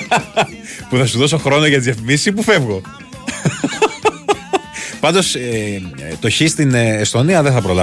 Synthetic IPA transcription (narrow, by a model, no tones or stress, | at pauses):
puθɐsuðo̞s̬oxɾo̞noʝɐt̪izefimisipufe̞vɣo̞ | pɐnd̪o̞s | t̪o̞çist̪inest̪o̞niɐðeθɐpɾolɐ